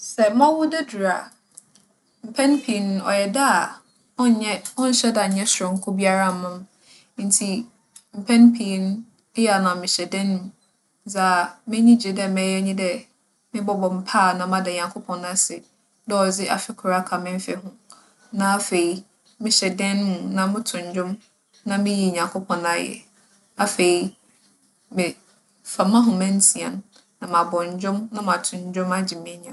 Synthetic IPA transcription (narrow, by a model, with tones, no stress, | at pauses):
sɛ˨mã˦wʊ˦dɛ˦du˨ɾa˨ | m̩˨pʰɛ̃˦npʰi˨n˦ɔ̰˨jɛ˨da˦˨ | ɔ˦˨ɲɛ̃˦ɔ̃˦n̩˦ɕɛ˦da˨ɲ̩˨ɲɛ̃˦sɔ̃˨ŋ̩˦kʰʊ˦bi˦a˦ɾa˦˨mã˦m˦ | n̩˨˦tʰi˨ | m̩˨pʰɛ̃˦npʰi˨n˦ | jɛ˦˨a˨nã˨mɪ̃˨ɕɛ˨dɪ̃˦ñ˨˦ | d͡za˨mɪ̃˦ɲĩ˦d͡ʑe˨dɛ˦˨mɛ̃˨˦jɛ˦ɲĩ˦dɛ˦ | mɪ̃˦bɔ˦bɔ˨m̩˨pʰaː˦˨nã˨˦mã˦dɛ˨ɲã˨ŋkʰo˦pʰɔ̃˨nːã˦sɪ˨ | dɔ˦ɔ˨d͡zɪ˦ʔa̰˨fɪ˦kʰʊ˨ɾa˦kʰa˨mɪ̃˦ɱ˦fɛ˦ɦʊ̃˦ | nã˨a˦fe˨i˨ | mɪ̃˦ɕɛ˨dɛ̃˦n˦mũ˨nã˦mʊ̃˦tʰʊ̃˨ɲ˨d͡ʑᶣʊ̃˦m | nã˦mɪ̃˦ji˨ɲã˨ŋkʰo˦pʰɔ̃˨na˦jɛ̰˨ | a˦fe˨i˨ | mɪ̃˨ | fa˨mã˦ɦʊ̃˨mɛ̃˦n̩˦tʰi˨a̰˨nː˦ | ã˨mã˨bɔ̃˨ɲ˨d͡ʑᶣʊ̃˦mnã˦mã˨tʰʊ̃˨ɲ˨d͡ʑᶣʊ̃˦ma˦d͡ʑɪ˨mɪ̃˦ɲã˨